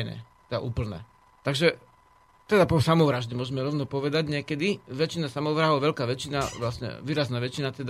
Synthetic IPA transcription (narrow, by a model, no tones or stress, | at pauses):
nɛ̰t̪ɛd̪a̰ʔuːpl̩nɛ̰ː | t̪aɡʒɛ | t̪ɛd̪apɔsamɔʋɾaʒɟɛmʊɔʒmɛɾɔʊnɔpɔʋɛd̪aɟɲɪɛkɛd̪iʋɛt͡ʃinasamɔʋɾaːɦɔʋɛʎkaːʋɛt͡ʃinaʋlasɲɛ̰ʋiːɾaznaːʋɛt͡ʃinat̪ɛd̪a